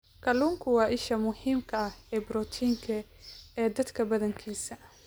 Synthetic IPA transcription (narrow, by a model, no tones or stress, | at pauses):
kʰɐluːŋkʰʊwɑːʔɪʃɐmʊhiːmkʰɐɐhɛːbɾɔt̪ʰiːŋkʰɐ | ɛːd̪ɐd̪kʰɐbɐðɐŋkʰiːsɐ